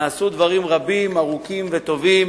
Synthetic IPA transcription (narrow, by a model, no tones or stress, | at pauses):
sud̪vaʁimʁabimaʁukimvet̪o̞vim